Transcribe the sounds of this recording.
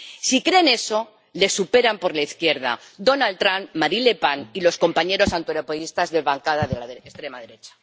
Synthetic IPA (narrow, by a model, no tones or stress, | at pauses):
sikɾe̞ne̞so̞ | le̞supe̞ɾampo̞ɾlaiθkje̞ɾð̞a̰d̪o̞nalt̪ɾammaɾile̞panilo̞sko̞mpaɲe̞ɾo̞sant̪oeɾopoist̪azðe̞lβaŋkaðaðelaðeest̪ɾe̞maðe̞ɾe̞t͡ʃḁ